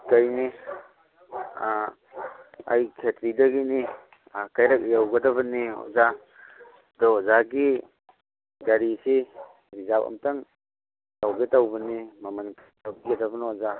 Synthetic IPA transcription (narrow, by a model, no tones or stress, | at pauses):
kajni | a̰jkʰetɾidɐɡini | akajɾak̚jawɡɐdɐβɐniɔ̰za | dɔzaɡi | ɡaɾisi | bizapɐ̰mtaŋ | tawɡetawbɐnimamɐnkʰatawbiɡɐdɐbɐnɔza